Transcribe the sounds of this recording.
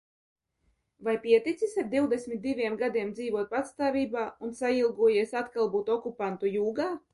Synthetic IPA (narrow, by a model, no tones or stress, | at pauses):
vajpiɛt̪it̪sisaɾ̚d̪iwd̪ɛsʲmʲit̪̚d̪ivʲiɛmɡad̪iɛmd̪ziːvuɔt̪̚pat̪st̪aːvʲiːbaːunsailˠɡuɔjeɛsat̪kalˠbuːt̪ɔkupant̪ujuːɡaː